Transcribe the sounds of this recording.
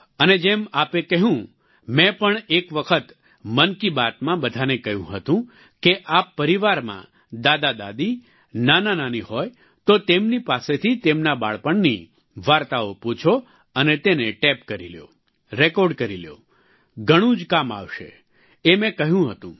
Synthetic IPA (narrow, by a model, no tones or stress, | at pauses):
əned͡ʒemapekəɦũ | mɛ̃pəɳekʋəkʰət̪ | mənkibat̪mãbəd̪ʱanekəɦjũɦət̪ũ | keʔapːəɾiʋaɾmã̰ | d̪ad̪ad̪a̰d̪i | nanananiɦoj | t̪ot̪emnipaset̪ʰit̪emnaba̰ɭpəɳni | ʋaɾt̪aopũt͡ʃʰo | ənet̪eneʈɛpkəɾḭljo̰ | ɾekɔɾɖkəɾiljo̰ | ɡʱəɽ̃ũd͡ʒkama̰ʋʃḛ | emɛ̃kəɦjũɦət̪ũ